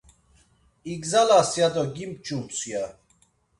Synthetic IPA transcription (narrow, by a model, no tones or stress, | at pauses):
iɡzalasjad̪ɔɡimp̚t͡ʃʼumt͡sʰʼja